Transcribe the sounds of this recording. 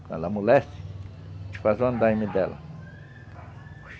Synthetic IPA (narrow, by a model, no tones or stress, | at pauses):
kɐ̰̃nɐmulɛst͡ʃ | t͡ʃi̥fazõnd̪aimid̪ɛlɐ̰